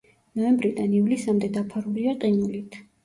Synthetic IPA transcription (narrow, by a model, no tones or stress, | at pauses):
nɔɛmbɾid̪anivlisamd̪ɛd̪apʰaɾuliat̪ʼinulit̪ʰ